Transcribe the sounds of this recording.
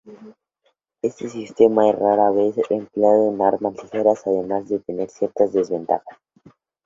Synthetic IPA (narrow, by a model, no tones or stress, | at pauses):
e̞st̪esist̪e̞maeraɾaβesempleaðoenaɾmaslixeɾasaðe̞mazðe̞t̪e̞ne̞ɾsje̞ɾt̪azðe̞zβe̞nt̪a̰xḁs